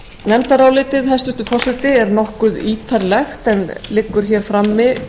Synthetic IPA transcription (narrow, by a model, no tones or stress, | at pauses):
nɛmt̪aɾawlɪːt̪ɪðɛst̪ʏht̪ʏfɔr̥sɛt̪ɪɛɾnɔhkʏðiːt̪ʰaɾlɛxt̪ɛnlɪkːʏɾ̥çɛɾ̥fɾamːɪ